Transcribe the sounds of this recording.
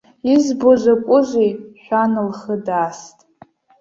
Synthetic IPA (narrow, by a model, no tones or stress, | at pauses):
izboʒʷakʷʼʊzʷejʃʷᶣanɨlχədaːstʼ